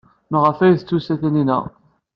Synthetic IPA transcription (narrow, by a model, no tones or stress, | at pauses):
məʁəfæjθt͡sːusæθæninæ̰